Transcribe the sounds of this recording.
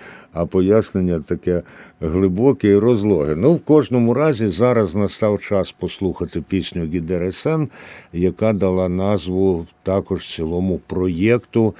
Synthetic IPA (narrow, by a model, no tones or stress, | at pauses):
ɐpɔjasnenʲːɐt̪ɐkɛɦlˠɪbɔkɛiɾɔzlˠɔɦɪnuwkɔʒnɔmʊɾɑzʲizɑɾɐznɐst̪ɑwt͡ʃɑspɔslˠuxɐt̪ɪpʲisʲnʲʊɡʲid̪ɛɾɛsɛnjɐkɑd̪ɐlˠɑnɑzʋʊt̪ɑkɔʒt͡sʲilˠɔmʊpɾɔjɛkt̪ʊ